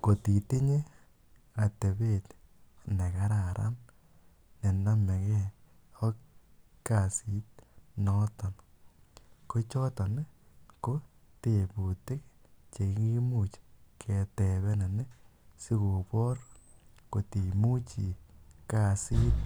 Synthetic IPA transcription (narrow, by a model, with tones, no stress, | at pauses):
ko˨ti˨te˦ɲe˦ | a˨te˨be˦tne˨ka˦ɾa˨ɾʔa̰˦m | ne˨na˦mɛ˨kɛ˦ | ɔ˦k | ka˦˨si˦t̪̚nɔ˦tɔ˨n | ko˦t͡ʃɔ˦tɔ˨n˦ko˦ | te˨pu˨te˦kt͡ʃe˨˦ki˦mu˦˨t͡ʃkʰe˨tɛ˨βɛ˦na˨ne˦si˦ko˨pɔ˦ɾko˨ti˨mu˦t͡ʃi˨ka˦˨si˦t̚